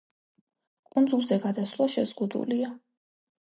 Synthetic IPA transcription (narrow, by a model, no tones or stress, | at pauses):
kʼund̪zulˠzɛɡad̪aslˠaʃɛzʁud̪ṵlia